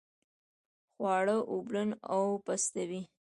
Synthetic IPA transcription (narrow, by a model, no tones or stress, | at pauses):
xwɑɽəʔublənawpast̪awi